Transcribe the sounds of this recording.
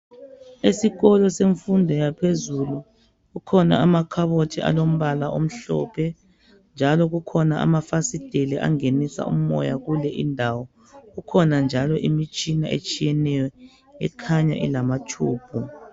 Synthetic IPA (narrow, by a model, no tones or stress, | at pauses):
esiɣɔlɔseɱfundʱɔjapʰezulu | ɣukʰɔna̰amakʰaβotʰiʔa̰lom̩βalaʔom̩ɬɔ̰pʰɛ | nd͡ʒʱalɔɣukʰɔnaʔa̰mafasid̥ʱelɛʔa̰ŋenisa̰ʔṵm̩ːɔ̰jaɣulɛʔindʱawɔ | ɣukʰɔnand͡ʒʱalɔʔimit͡ʃʼinaʔḛt͡ʃʼijɛnɛjɔ | ɛ̰kʰaɲa̰ʔḭlamatʰuːb̥̚ʰʱɔ